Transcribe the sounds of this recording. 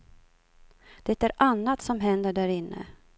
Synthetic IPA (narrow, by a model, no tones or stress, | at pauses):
d̪̥ɛt̪æɾanːat̪sɔmɦɛnd̪əɖæɾɪnːə̰